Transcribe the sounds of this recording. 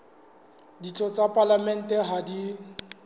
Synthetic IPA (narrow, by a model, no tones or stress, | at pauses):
dit͡ɬʼɔt͡sʼapʼalamɛn̩tʼɛɦadi